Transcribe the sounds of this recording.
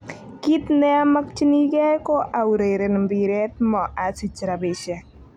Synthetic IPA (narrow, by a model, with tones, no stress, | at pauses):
ki˦t̪nɛ˦a˦ma˦k̚t͡ʃi˦ni˦ɡɛ˦kɔ˦ʔa˨wɾe˨ɾe˨n˨mbi˨ɾɛ˦t̪̚mɔ˨ʔa˨si˦t͡ʃɾa˨be˨ʃɛ˨